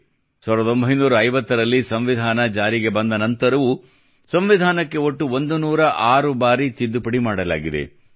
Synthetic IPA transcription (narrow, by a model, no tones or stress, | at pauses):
saːʋɾɐd̪o̞mbʱɐjnuːɾɐːjʋɐt̪ːɐɾɐlːisɐmʋid̪ʱaːnɐd͡ʒaːɾiɡe̞bɐnd̪ɐnɐnt̪ɐɾɐʋu | sɐmʋid̪ʱaːnɐkːe̞o̞ʈːuo̞nd̪unuːɾɐʔaːɾubaːɾit̪id̪ːupɐɽimaːɽɐla̰ːɡid̪ḛ